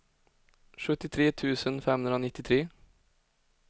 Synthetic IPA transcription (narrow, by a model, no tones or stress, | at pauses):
ʂɵt̪ɪt̪ʰɾeːt̪ʰʉːsənfɛmhʉnɾəoːnɪt̪ːɪt̪ʰɾeː